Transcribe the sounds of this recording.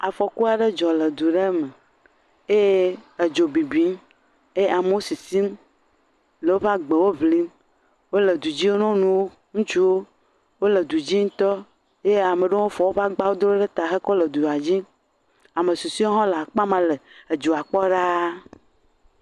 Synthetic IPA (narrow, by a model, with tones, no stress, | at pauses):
a˨fɔ˨ku˦a˨ɖe˦d͡ʒɔ˨le˨d̪u˨ɖe˦me˨ | e˦je˦e˨d͡ʒo˨bi˨bi˦m | e˦e˦a˨m˦wo˦si˨si˦m | le˨wo˦ɸa˦ɡ͡be˨wo˦βli˦m | wo˦le˨d̪u˨d͡ʑi˦wo˦nɔ̃˦nũ˦wo˦ | ŋũ˦t͡ʃu˦wo˦ | wo˦le˨d̪u˨d͡ʑi˦ŋ̩˦t̪ɔ˦ | je˦a˨me˨ɖe˦wo˦fɔ˨wo˦ɸa˦ɡ͡ba˦wo˦d̪o˦ɖe˦t̪a˨xe˦kɔ˦lə˨d̪u˨a˨d͡ʑi˦ | a˨me˨su˨si˦o˦ɦɔ̃˦la˨k͡pa˦mã˦le˨e˨d͡ʒo˨a˨k͡pɔ˦ɖa˦